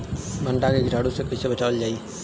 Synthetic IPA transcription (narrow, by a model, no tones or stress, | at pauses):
bʱə̃ɳʈakeɡɪɾʱaːɽosekɐsebət͡ʃaːʋəld͡ʒaːi